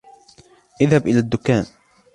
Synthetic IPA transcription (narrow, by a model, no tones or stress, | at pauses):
ʔɪðhabʔɪlaːd̪ːʊkːaːn